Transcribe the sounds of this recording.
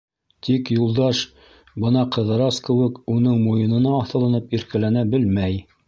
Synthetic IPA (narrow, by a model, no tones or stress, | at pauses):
t̪ikjulˠd̪ɑʃ | bɤnɑqɤ̆ðɤ̆ɾɑskɘ̆wɘkunɤɴmujɤ̆nɤ̆nɑːθɤ̆lˠɤ̆nɤpiɾkælænæbɘlmæj